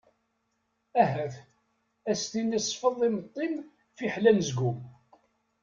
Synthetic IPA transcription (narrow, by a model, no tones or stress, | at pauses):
æɦæθ | æst̪inisˤfəðˤimət̪ˤːim | fiħlænzɡum